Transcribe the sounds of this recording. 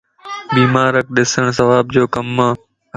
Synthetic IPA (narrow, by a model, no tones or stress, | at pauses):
ɓiːmaːɾək̚ɗɪsəɳ̃s̬əʋaːb̚d͡ʑoːkəmːãː